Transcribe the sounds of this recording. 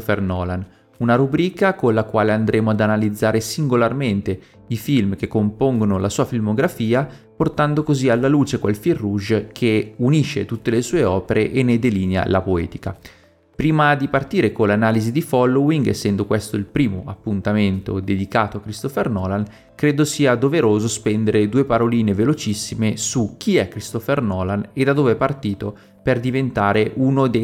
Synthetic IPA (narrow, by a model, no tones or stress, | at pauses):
fernɔːlan | unaɾubɾiːkakonlakwaːleand̪ɾeːmoad̪analid̪zːaːɾesiŋɡolarment̪e | ifilmk̟ekːompoŋɡonolasuːafilmoɡɾafiːa | port̪and̪okozialːaluːt͡ʃekwelfirːuʒkʰeuniʃːḛt̪ut̪ːelesuːeɔːpeɾeʔenːed̪eliːnea̰lapoɛ̰ːt̪i̥ka̰ | pɾiːmad̪ipart̪iːɾekolanaːlizid̪ifɔlːowiŋɡḛsːɛnd̪okwest̪oilpɾiːmoapːunt̪ament̪o̰d̪ed̪ikaːt̪oakːɾist̪ofernɔːlan | kɾeːd̪osiːad̪oveɾoːzospɛnd̪eɾed̪uːepaɾoliːnevelot͡ʃisːimesuk̟ːiɛkːɾist̪ofernɔːlaned̪ad̪oːveɛpart̪iːt̪o | perd̪ivent̪aːɾeʔunod̪e